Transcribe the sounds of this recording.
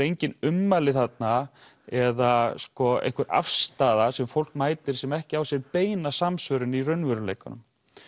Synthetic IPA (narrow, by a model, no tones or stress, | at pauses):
ɾejɲcɪnʏmːalɪθat̪na | ɛðaskɔḛjhkʰvʏɾʔa̰fst̪aːðasɛmfowl̥kmaːjt̪ɪɾ̥sɛmɛhcɪawsjɛɾpeːjnasamsvœɾʏnirœɥnvœɾʏlḛːjkʏnʏ̰m